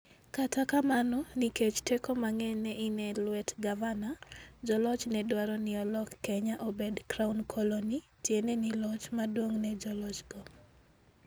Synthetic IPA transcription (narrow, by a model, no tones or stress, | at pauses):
katakamanɔniket͡ʃtekɔmaŋɛnɛʔinɛlwɛtɡavanad͡ʒɔlɔt͡ʃnɛdwaɾɔnɪɔlɔkːɛɲaʔobedkɾaunkʰoloni | tjenɛnɪlɔt͡ʃmadwoŋnɛd͡ʒɔlɔt͡ʃɡɔ